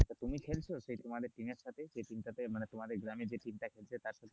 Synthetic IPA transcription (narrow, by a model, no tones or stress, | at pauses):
ət̪əɾt̪umiːkʰelsəsəit̪umad̪ʱeʈimeʈsat̪ʰed͡ʑeʈimʈ̪at̪em̤əɳet̪um̤ad̪ʱeɡɾamid͡ʑeʈimʈ̪akʰelset̪jaɾsat̪ʰe